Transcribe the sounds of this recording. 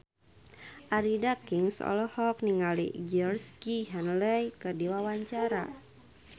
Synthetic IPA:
ʔaɾidakiŋsɔ̰lɔhɔk̚niŋalḭɡɛrskiɦanlɛjkərdiwawaɲt͡ʃaɾa̰

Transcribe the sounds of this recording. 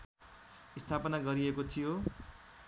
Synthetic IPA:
ist̪ʰapʌnaɡʌɾiekot̪ʰijo

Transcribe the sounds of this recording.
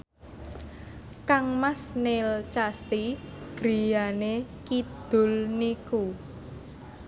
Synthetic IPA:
kaŋmasnelt͡ʃasiɡ̥ɾijanekid̪̥ʊ̤lniku

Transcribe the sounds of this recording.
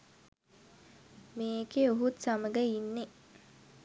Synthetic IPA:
meːkeoɦut̪saməɡəinːe

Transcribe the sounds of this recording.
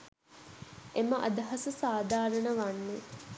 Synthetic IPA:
ʔeməʔɐ̰d̪ɐɦɐsəsaːd̪ʱaːɾənəʋanːe

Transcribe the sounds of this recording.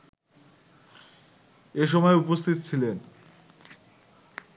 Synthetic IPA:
eʃ̬ɔmɔeupost̪ʰit̪ot͡ɕʰilen

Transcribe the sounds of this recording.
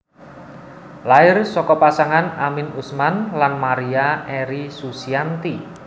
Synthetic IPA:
laɪrsɔkɔpasaŋanamɪnusmanlanmaɾiaʔɛɾisusiant̪i

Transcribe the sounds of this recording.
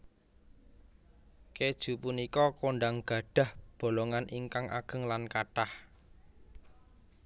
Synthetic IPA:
ked̥ʒ̥ṳpunikɔkoɳɖaŋɡ̥ä̤ɖ̥a̤hb̥o̤loŋaniŋkaŋʔa̰ɡ̥ə̤ŋlankaʈah

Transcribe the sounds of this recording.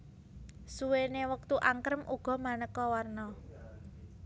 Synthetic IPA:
suwenewək̚t̪uʔaŋkəɾəmʔuɡ̥ɔ̤manəkːɔwarnɔ

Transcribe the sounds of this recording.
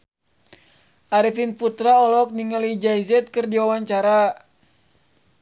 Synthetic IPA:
ʔaɾifinput̪ɾaɔlɔk̚niŋalid͡ʒaizɛt̪̚kɨrdiwawaɲt͡ʃaɾa

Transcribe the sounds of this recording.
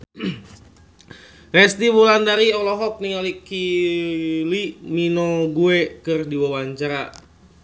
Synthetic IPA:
rɛst̪ibulandaɾiɔlɔɦɔk̚niŋaliki | liminɔɡuɛkɨrdiwawaɲt͡ʃaɾa̰

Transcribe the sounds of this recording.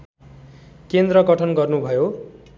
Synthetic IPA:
kend̪rʌɡʌʈʰʌnɡʌrnubʱʌjo

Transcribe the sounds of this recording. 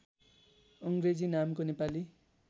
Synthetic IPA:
ʌŋɡɾed͡zinamkonepali

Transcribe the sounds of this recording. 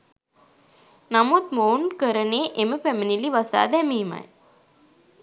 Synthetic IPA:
nɐmut̪̚moːɳkəɾɐneːʔemɨpeminiliʋɐsa̰ːd̪emiːma̰j

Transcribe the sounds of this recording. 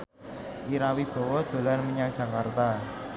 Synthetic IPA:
ʔiɾawib̥ɔ̤wɔd̪̥o̤larmiɲaŋd̥ʒ̥ä̤kart̪a

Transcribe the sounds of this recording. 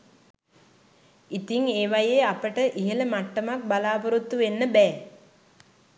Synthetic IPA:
it̪iŋeːʋajeːapəʈəʔiɦələmaʈːəmak̚balaːpuɾut̪ːuʋenːəbɛː

